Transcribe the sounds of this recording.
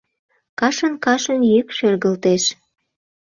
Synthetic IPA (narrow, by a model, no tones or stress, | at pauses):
kɑʃənkɑʃənjykʃørɣəlt̪eʃ